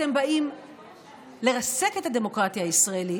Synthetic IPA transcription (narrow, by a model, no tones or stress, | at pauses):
te̞mbaim | le̞ʁase̞ke̞thad̪e̞mo̞kʁat̪jaːisʁaeli